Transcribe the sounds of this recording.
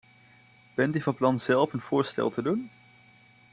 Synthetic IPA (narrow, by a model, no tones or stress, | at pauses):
b̥ɛntyvɑnplɑnz̥ɛlˠfənv̥ʊːɹstɛ̰lˠtədun